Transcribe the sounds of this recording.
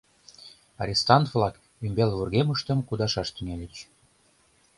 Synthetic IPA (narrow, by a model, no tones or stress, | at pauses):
ɑ̰ɾʲist̪ɑnt̪vlɑk | ymbelβurɣeməʃt̪əmkud̪ɑʃɑʃt̪yŋelʲet͡ɕ